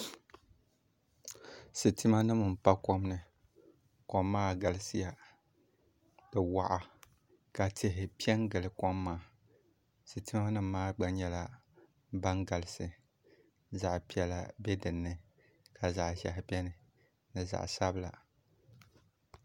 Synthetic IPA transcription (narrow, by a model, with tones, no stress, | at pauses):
sɨ˨ti˦ma˦nɨ˦m˨m̩˨pa˦kɔ˦mnɨ˨ | kɔ˨mːaː˦ɡa˨lɨ˦sɨ˦ja˨ | d̥ɨ˨wa˨ʔa˨ | ka˨tɪ˨ɦɪ˨pi˦ɛ˦nɡɨ˨lɨ˨kɔ˦mːaː˦ | sɨ˨ti˦ma˦nɨ˦mː˦aː˦ɡ͡ba˨ɲɛ˦la˦ | ba˦nɡa˨lɨ˦sɨ˨ | za˨ʔpi˦ɛ˨la˨bɛ˦dɨ˨nːɨ˨ | ka˨za̰˨ʔhɛ̰˨hɪ˨pi˦ɛ˦nɨ˨ | nɨ˨za̰˨ʔsa˦bɨ˦la̰˨